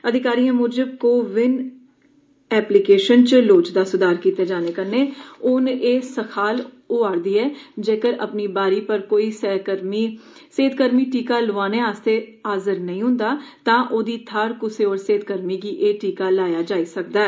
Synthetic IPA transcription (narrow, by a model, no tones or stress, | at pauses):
əd̪ɪkaːɾiːãːmʊɾd͡ʒəkoːʋɪn | ɛːplɪkeːʃənt͡ʃloːt͡ʃd̪aːsʊd̪aːɾkiːt̪eːd͡ʒaːneːkəɾneːʊneːsəkʰaːl | oaːɾd̪iːɛːd͡ʒeːkəɾə̰pniːbaːɾiːpəɾkoːiːsɛkəɾmiseːd̪̚kəɾmiːʈiːkaːlʊʋaːneːaːst̪eːaːzəɾnəĩːɦʊ̃nd̪aːt̪ãːʔoːd̪iːt̪ʰaːɾkʊseːoːɾseːt̪kəɾmiːɡiːʔeːʈiːkaːlaːjaːd͡ʒaːiːsək̚d̪aːɛ